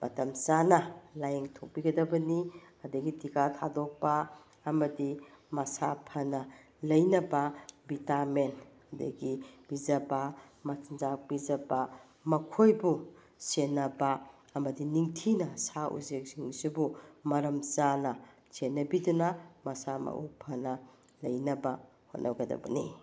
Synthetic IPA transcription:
mʔɐtɐmzanɐlajeŋtʰok̚piɡɐdɐbɐniɐdɐɡitikatʰadok̚pɐ | ɐmɐdimɐsapʰɐnɐ | lɐjnɐbɐbitamenɐdɐ̰ɡib̥izɐba | mɐtʰnzak̚bizɐbɐ | mɐkʰojbu | senːɐbɐː | mɐdiniŋtʰinɐsaʔṵzek̚siŋsubumɐɾɐmzanɐ | senːɐbidunɐmɐsamɐ̰ʔupʰɐnɐ | lɐjnɐbɐ | ho̰t̚nʔɐɡɐdɐ̰bɐ̰nḭ

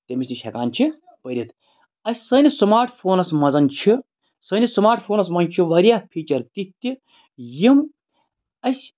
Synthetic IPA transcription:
t̪ʲemisʲniʃʰekaːnt͡ʃʰi | pəɾʲit̪ʰ | ɐsʲsəːnʲismaːɾʈʰpʰoːnɐsmɐzɐnʲt͡ʃʰi | sənʲismaːɾʈʰpʰoːnɐsmɐnt͡ʃʰiʋɐɾʲjaːpʰiːt͡ʃɐɾt̪it̪ʲːi | jim | ɐsʲ

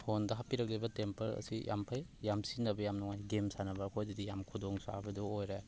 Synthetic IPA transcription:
pʰondɐɦapiɾɐk̚lebɐtempɐɾɐ̰sijʔa̰mpʰajjamsinɐbɐjamnuŋajɡemsanɐbɐkʰojdidijamkʰudoŋsa̰bɐduojɾe

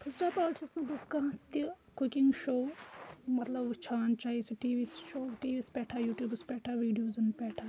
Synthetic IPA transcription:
pʰɐzʈaːpaːʈʰisnɐ̃bukːat̪i | kukiŋɡʃoːmɐt̪lɐbt͡ʃʰaːnt͡ʃaːisiʈiːʋiːsʃoːʈiːʋiːspɛːʈʰaːjuːʈjuːbɐspɛːʈʰaʋiːɖijoːzɐnpɛːʈʰa

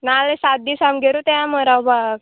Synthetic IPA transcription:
nalesat̪̚d̪isamɡʱeɾut̪eãməɾawbaɡ

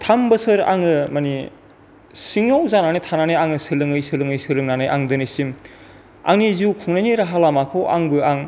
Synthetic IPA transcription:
tʰambɯsɯɾa̰ŋɯmani | siŋawzananitʰananɯjaŋɯsɯlɯŋɯjsɯlɯŋɯjsɯɾɯŋnanɯjʔaŋdɯnɯsim | a̰ŋniziwkʰuŋnajniɾaɦalamakʰɯwa̰ŋbɯaŋ

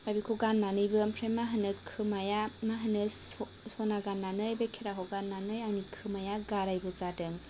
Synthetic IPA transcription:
abikʰoɡanːanɯjbɯmpʰɾemaɦɯnɯkʰɯmajamaɦɯnɯs | sɔnaɡanːanɯjbekʰeɾakʰɔɡanːanɯjanikʰɯmajaɡaɾajbɯzadɯŋ

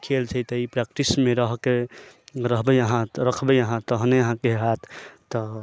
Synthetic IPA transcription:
kʰelt͡ʃʰɛt̪əipɾɛkʈismeɾəɦke | ɾəɦbɛəɦãɾəkʰbɛəɦãt̪əɦəneəɦãkeɦat̪ʰt̪ːɔ

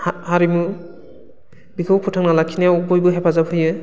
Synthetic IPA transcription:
haɾimɯ | bikʰɯwpʰutʰaŋnalakʰinewbojbɯɦepʰazaphɯjɯ

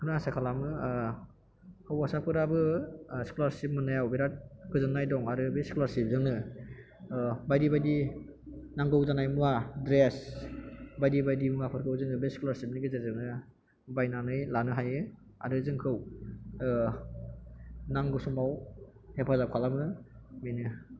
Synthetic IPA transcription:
kʰɯnasakʰalamɯ | kʰɯwasapʰɯɾabɯsi̥kulaɾsip̚mɯnajawbiɾat̚kʰɯzɯnːajdɔŋaɾɯbesi̥kulaɾsip̚zɯŋnɯ | bajdibajdi | naŋɡɯwzanajmuadɾes | bajdibajdimuŋapʰɯɾkʰɯwzɯŋɯbesi̥kulaɾsip̚niɡizɯzɯŋnɯ | bajnanɯjlanɯɦajɯ | a̰ɾɯzɯŋkʰɯw | naŋɡɯsumawhepʰazakʰalamɯminɯ

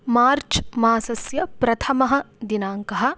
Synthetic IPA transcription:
maːɾt͡ʃmaːsɐsjɐpɾɐt̪ʰɐmɐɦɐ̆ | d̪inaːŋkɐɦɐ̆

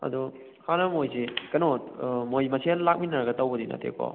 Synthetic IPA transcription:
ɐ̰du | kʰanɐmojsikɐnotmojmɐsʰelak̚minɐɾaɡɐtɐwbɯdinɐ̰tʰḛkʰo̰

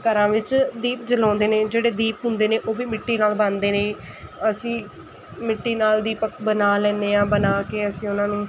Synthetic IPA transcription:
kəɾãːʋɪt͡ʃd̪iːp̚d͡ʒəlɔ̃ːnd̪eːneːd͡ʒeːɽeːd̪iːpɦʊ̃nd̪eːneːʔoːʋiːmɪʈːiːnaːlband̪eːneĩː | əsĩː | mɪʈːiːnaːld̪iːpəkbənaːlɛ̃ːneːãːbənaːkeːəsĩːʊnãːnũː

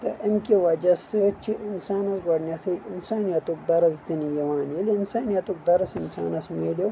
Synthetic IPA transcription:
t̪ɐʔɐmkʲeʋɐd͡ʒɐsɨt͡ʃʰiʔinsaːnɐsɡɐɽnʲɐsʰiinsaːnijɐt̪uk̚d̪ɐɾɐzt̪inijiʋaːnjeliinsaːnijɐt̪uk̚d̪ɐɾɐsinsa̰ːnɐsmeːlo

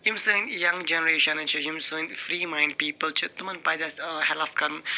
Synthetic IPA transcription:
jumsɨ̃ːnjɐ̃ŋd͡ʒɛnəɾeːʃɐ̃nt͡ʃʰijumsɨ̃ːnfɾiːmãɪ̃ɳɖ̚piːpəlt͡ʃʰit̪umɐnpaːzashɛlafkɐɾn

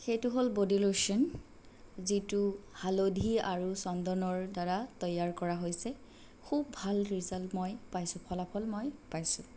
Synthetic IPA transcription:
xejtuɦolbodiloʃɔn | zituhalodʱiaɹusɔndɔnɔɹdaɹatɔjaɹkɔɹaɦojsɛ | kʰubbʱalɹizaltmɔjpajsʊ̃pʰɔlapʰɔlmɔjpajsʊ̃

